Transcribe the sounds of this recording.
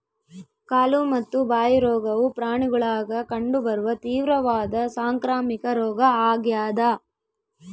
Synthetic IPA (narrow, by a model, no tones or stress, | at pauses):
kaːlumɐt̪ːubaːjɐɾɔːɡɐʋupɾaːɳiɡuɭaːɡɐkɐɳɖubɐɾuʋɐt̪iːʋɾɐʋaːd̪ɐsaːŋkɾaːmikɐɾɔːɡɐaːɡjaːd̪ɐ